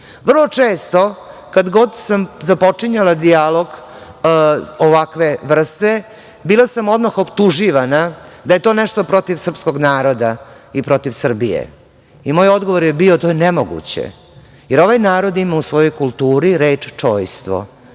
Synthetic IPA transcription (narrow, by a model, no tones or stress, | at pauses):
ʋr̩lˠo̞t͡ʂeːst̪o̞kad̪ɡo̞d̪samzapo̞t͡ʂiɲalad̪ialo̞ɡ | oʋakʋe̞ʋr̩st̪e | biːlasamo̞d̪maxopt̪uʒiʋanad̪aje̞t̪o̞ːnɛʂt̪o̞pɾo̞t̪iʋsr̩psko̞ɡnaːɾo̞d̪a | ipɾo̞t̪iʋsr̩bijḛ | imoːjod̪ɡo̞ʋoɾjebiot̪o̞ːjenemoɡṵt͡ɕḛ | jeɾo̞ʋajnaːɾo̞d̪imausʋo̞jo̞jkulˠt̪uːɾiɾeːt͡ʂt͡ʂoːjst̪ʋo̰